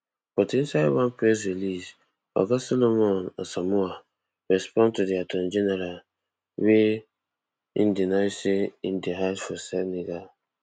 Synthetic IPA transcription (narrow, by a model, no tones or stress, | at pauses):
pɔtinsawãnpɾes̬ɹilis | ɔ̰ɡasɔlomɔ̃na̰samua | ɹɛspɔ̃ntudiatʰɔ̃nd͡ʒɛnɛɾal | we | ḭndinajseindiɦasfɔsɛniɡal